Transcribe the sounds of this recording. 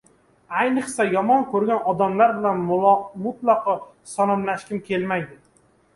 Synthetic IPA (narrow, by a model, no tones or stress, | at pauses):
ajnɨχsajɒmɒnkʰɵɾɡʲanɒd̪amlaɾbɪlanmʊt̪lˠɑqʰɒ | sɒnɒmlaʃkʲɪmkʲʰe̞lmajd̪ɪ